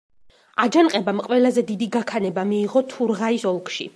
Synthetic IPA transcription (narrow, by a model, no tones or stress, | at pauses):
ad͡ʒanqʼɛbamqʼwɛlazɛd̪id̪iɡakʰanɛbamiːʁɔt̪ʰuɾʁaisɔlˠkʰʼʃḭ